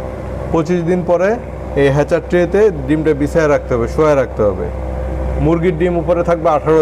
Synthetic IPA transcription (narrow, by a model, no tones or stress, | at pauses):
pot͡ɕiʃd̪inpɔɾe | ejɦɛt͡ɕaʈ̚ʈːɾet̪eɖimʈabisaeɾak̚ʰt̪eɦɔbeʃoaeɾak̚ʰt̪eɦɔbḛ | muɾɡiɾɖimupoɾet̪ʰak̚beaʈʰaɾo